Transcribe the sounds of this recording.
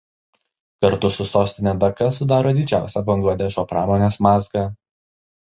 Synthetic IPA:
kɐɾt̪ʊsʊsoːsʲt̪ʲɪnʲeːd̪ɐkɐsʊd̪ɑːɾoːd̪ʲɪd͡ʒʲæˑʊsʲɛbɐŋɡlˠɐd̪ʲɛʃoːpɾɑːmoːnʲeːsmɑːsɡɑː

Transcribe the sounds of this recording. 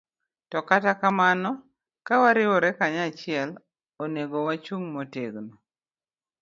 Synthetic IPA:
tɔkatakamanɔ | kawaɾɪwɔɾɛkaɲat͡ʃɪɛl | oneɡowat͡ʃuŋmoteɡno

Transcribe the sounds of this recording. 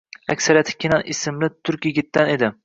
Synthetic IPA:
ækʲsæɾjɑt̪ʰɪ̥kʲʰenɑnisɪmlɪt̪ʰʊɾkʲjɪɡʲit̪ːæned̪ɪ

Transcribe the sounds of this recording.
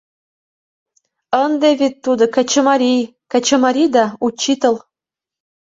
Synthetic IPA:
ənd̪eβet̪ːud̪ŏkɑt͡ɕəmɑɾʲijkɑt͡ɕə̆mɑɾʲid̪ɑut͡ɕːit̪ɤl

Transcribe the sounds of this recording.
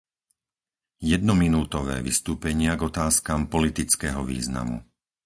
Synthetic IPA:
jɛd̪̚nɔminuːt̪ɔʋɛ̰ːʋist̪uːpɛɲɪaɡɔt̪aːskaːmpɔlit̪it͡skɛːɦɔʋḭːzna̰mṵ

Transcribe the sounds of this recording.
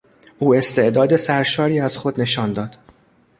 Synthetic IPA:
ʔuːe̞st̪ʰe̞ʔd̪ɒːd̪e̞sæɾʃɒːɾiːæz̥xod̪ne̞ʃɒːnd̪ɒːd̪̥

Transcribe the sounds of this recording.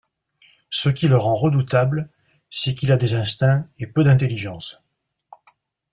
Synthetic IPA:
səkʲiləʁɑ̃ʁəd̪ut̪ablə | sɛkilad̪ezɛ̃st̪ɛ̃epød̪ɛ̃t̪eliʒɑ̃s

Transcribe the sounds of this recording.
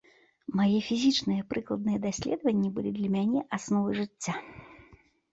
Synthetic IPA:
majɛfʲizʲit͡ʂnɨjɛpɾɨklˠɐd̪̚nɨjɛd̪asʲlʲɛd̪ɐvɐnʲːibɨlʲḭd̪lʲɐmʲanʲɛʔasnɔvɨʐɨt͡sʲːa

